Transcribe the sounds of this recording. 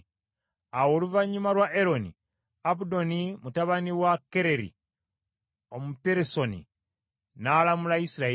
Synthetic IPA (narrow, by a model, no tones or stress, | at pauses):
awo̞ːluvaɲːumalwaʔeɾo̞nḭ | abudo̞nimutaβaniwakeɾe̞ɾḭ | o̞mupeɾeso̞nḭ | naːlamulaisiɾae